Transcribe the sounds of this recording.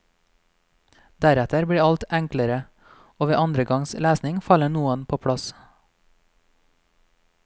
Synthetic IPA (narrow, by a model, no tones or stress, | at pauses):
d̪æɾɛt̪əɾbɽiːɑlt̪æŋkləɾə | oːʋeːʔɑnd̪ɾəɡɑŋslæːsnɪŋfɑləɳuːənpʰoːpʰɽɑs